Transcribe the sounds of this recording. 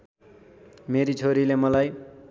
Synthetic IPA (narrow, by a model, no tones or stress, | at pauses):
meɾit͡sʰoɾilemʌlaj